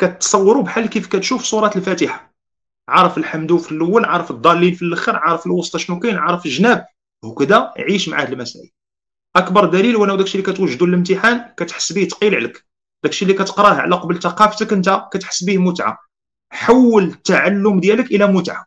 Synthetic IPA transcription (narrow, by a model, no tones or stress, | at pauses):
kæt̪ːsˤɑwːɾubħalːkifkæt̪ʃufsˤuɾˤɑt̪əlfæt̪əħḁ | ʕɑɾˤəfəlħamd̪ufəlːəwːəlʕɑɾˤəfəd̪ˤːɑlːinfilʔəxəɾʕɑɾˤəfəlwɑst̪ɑʃnukinʕɑɾˤəfəlʒnæb̚ | hukəd̪æjʕiʃmaʕad̪əlmæsæʕḭ | ʔækbɑɾˤd̪ælilwænæwd̪ækʃilikæt̪wəʒːd̪ulələmt̪əħankæt̪ħə̥sːbit̪qilʕlək | d̪ækʃilːikæt̪ə̥qɾˤɑhʕ̰læqɑbəlt̪ɑqɑft̪əkʔənt̪ækæt̪ħə̥sːbihmʊt̪ʕa̰ | ħawːələt̪ːaʕalːʊmd̪jæləkʔəlæmʊt̪ʕa